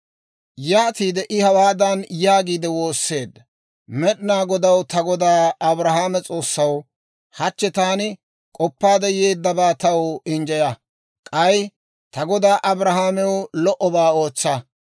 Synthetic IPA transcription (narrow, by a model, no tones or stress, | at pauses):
jaːt̪iːd̪ɛʔɪhɐwaːd̪ɐnjaːɡiːd̪ɛwo̞ːsːe̞ːd̪ːɐ | mɛɗɪnaːɡɔd̪ɐwt̪ɐɡɔd̪aːɐbɾɐhaːmɛt͡sʼo̞ːsːɐw | hɐt͡ʃːɛt̪aːnɪ | kʼɔpːaːd̪ɛjeːd̪ːɐbaːt̪ɐwɪnd͡ʒɐjɐ | kʼɐj | t̪ɐɡɔd̪aːʔɐbɾɐhaːmɛwlɔʔɔbaːo̞ːt͡sːɐ